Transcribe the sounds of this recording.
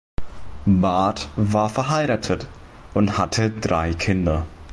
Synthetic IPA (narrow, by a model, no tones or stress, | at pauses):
baɐtvaːɐfɛɐɦaɪʁaːtʰət | ʔʊnthatʰədʁa̰ɪkʰɪndɐ